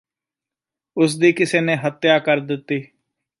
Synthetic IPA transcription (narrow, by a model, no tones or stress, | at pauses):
ʊsd̪iːkɪseːnẽːɦət̪ːjaːkəɾd̪ɪt̪ːiː